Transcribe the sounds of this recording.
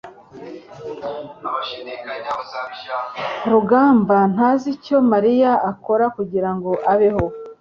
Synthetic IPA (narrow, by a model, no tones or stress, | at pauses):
ɾuɡaːmban̥aːzico̞maɾijaako̞ɾakuɟiɾaŋɡo̞ʔaβeho̞